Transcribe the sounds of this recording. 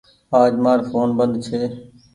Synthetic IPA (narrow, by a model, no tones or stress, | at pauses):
aːd͡ʒmaːɾfoːnbənd̪t͡ʃʰeː